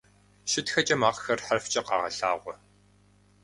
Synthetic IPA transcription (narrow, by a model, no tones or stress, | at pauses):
ʃɪtxɐt͡ʃʼɐmaːqxɐrħɐrft͡ʃʼɐqɑ̰ːʁɐ̰ɬa̰ːʁʷɔ